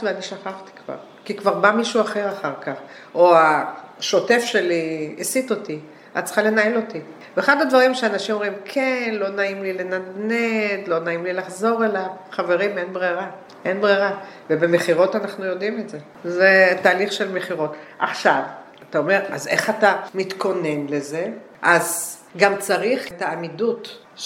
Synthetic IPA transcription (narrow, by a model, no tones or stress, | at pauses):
veaniʃaχaχt̪i̥kva̰ʁ | kikvaʁbamiʃuaχe̞ʁaχaʁkaχ | oaʃo̞te̞fʃe̞liisit̪o̞ti | a̰t̚t͡sə̥χale̞nae̞lo̞ti | veeːχadadvaʁimʃeanaʃimomʁimkʰe̞nlo̞naimlile̞nadned̪lo̞naimlilaχzo̞ʁe̞lavχave̞ʁimenbʁeʁa | ʔenbʁeʁavebe̞meχiʁo̞tanaχnujo̞dimetze̞ | zetaːliχʃe̞lmeχiʁo̞tʔaχʃav | atao̞me̞ʁa̰ze̞̰χatamit̪ko̞ne̞nle̞ze̞ | ʔaz | ɡamt͡saʁiχetaːmidut